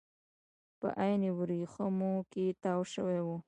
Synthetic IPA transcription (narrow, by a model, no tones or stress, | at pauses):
pə̰ʔajniwɾixəmoket̪awʃəwewu